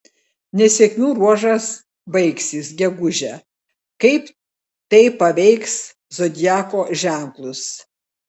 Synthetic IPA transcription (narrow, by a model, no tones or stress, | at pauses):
nʲɛsʲɛkmʲuːɾuɔʒɐs | bɐɪksʲɪsɡʲɛɡʊʒʲɛ | kɐɪp | t̪ɐɪpɐʋʲɛɪks | zod̪ʲjæːkoːʒʲæˑŋklˠʊs